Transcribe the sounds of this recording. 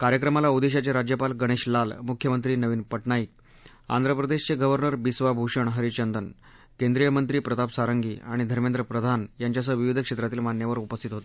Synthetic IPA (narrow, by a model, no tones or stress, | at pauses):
kaɾjəkɾəmalaud̪eɕ̬at͡ɕeɾad͡ʑjəpalɡəɽ̃eɕlalmukʰjəmənt̪ɾiːnəʋiːnpəʈɳaiːk̚ | a̰nd̪ʱɾəpɾəd̪eɕt͡seɡəʋəɾnəɾbisʋabʱuʂəɳɦəɾit͡ɕənd̪ən | kẽnd̪ɾijəmənt̪ɾiːpɾət̪apsaɾəŋɡḭːaɽ̃id̪ʱəɾmend̪ɾəpɾəd̪ʱanjaɲt͡ɕjas̬əʋiʋid̪ʱəkʂet̪ɾat̪iːlmanjaʋəɾupəst̪ʰit̪ɦot̪e